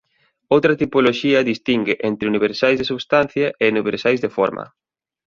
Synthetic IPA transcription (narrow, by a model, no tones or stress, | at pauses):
owt̪ɾɐt̪ipoloʃiɐðist̪iŋɡɪʔent̪ɾɪuniβ̞eɾsajzðesuβst̪an̟θjɐʔeniβeɾsajzðefo̰ɾmʔɐ̰